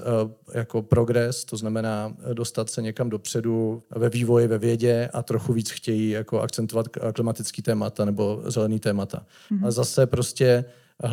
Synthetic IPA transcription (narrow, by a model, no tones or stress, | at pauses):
jako̞pɾo̞ɡɾɛst̪o̞znamɛnaːdost̪at̪sɛɲɛkamdo̞pr̝̥ɛduvɛviːvo̞jɪvɛvjɛɟɛʔat̪ɾo̞xuviːt͡sxcɛjijakoʔa̰kt͡sɛnt̪ovat̪klɪmat̪ɪt͡skiːt̪ɛːmat̪anɛbo̞zɛlɛniːt̪ɛːmat̪a̰ | azasɛpɾo̞scɛ | ɦ